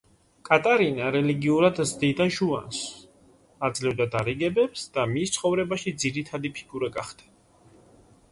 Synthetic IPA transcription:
kʼat̪ʼaɾinaɾɛliɡiuɾad̪zd̪id̪anʃua̰ns | ad̪zlɛvd̪ad̪aɾiɡɛbɛpsd̪̥amist̪sʰχɔvɾɛbaʃid̪ziɾit̪ʰad̪ipʰi̥kʰuɾɛɡʼa̰χd̪̥ɛ̥

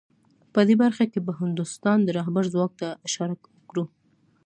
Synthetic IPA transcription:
pəd̪ebaɾxakepəɦɪnd̪ʊst̪ɑnd̪əɾɑɦbaɾzwɑk̚t̪aɪʃɑɾakwəkɽu

